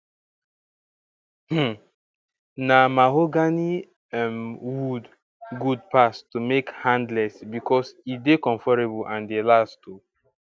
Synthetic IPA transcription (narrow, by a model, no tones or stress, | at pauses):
h̩ | namaɦoɡani | ɛmwud | ɡud̚pastumekhãndlɛsbikʰɔsidekɔ̃ɱfɔɹebɔlʔãndelastu